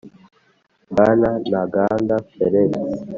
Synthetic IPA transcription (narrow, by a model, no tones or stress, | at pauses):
bananaɡandafɛɾɛn